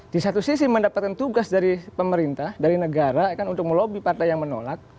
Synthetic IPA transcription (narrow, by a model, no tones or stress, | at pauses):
disat̪usisiməndapat̪̚kant̪uɡasdaɾipəməɾint̪ahdaɾinəɡaɾakanunt̪ʊk̚məlobipart̪ajaŋməno̰lak̚